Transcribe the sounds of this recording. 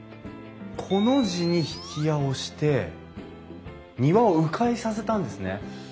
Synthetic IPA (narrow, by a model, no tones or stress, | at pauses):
kʰo̞no̞ʑiɲ̟içi̥kʲijaoɕi̥t̪e̞ | ɲ̟iβaoɯ̟kʰaisase̞t̪ãnd̪e̞sɨne̞